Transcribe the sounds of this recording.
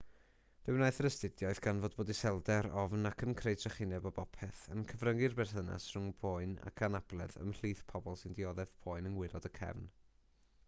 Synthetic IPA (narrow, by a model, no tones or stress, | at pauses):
d̥ɪwnajθəɾəstɪdjɔɨðɡanvoːdboːdisɛlˠdɛɾɔvnakʰənkʰrejdrɛχɪnjɛbɔbɔpʰɛθə̰nkʰəvrəŋɡɪrbɛrθəna̰sr̥ʊŋboɨna̰kʰanab̥lˠɛ̰ðə̰mɬiːθpʰɔbɔlˠsɪndɪɔðɛv̥pʰoɨnənwɪlˠɔdəkʰɛ̰vn